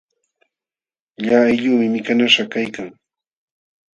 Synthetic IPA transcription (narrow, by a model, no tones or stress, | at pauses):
ʎaajʎʊːmɪmɪkanaʃakajkaŋ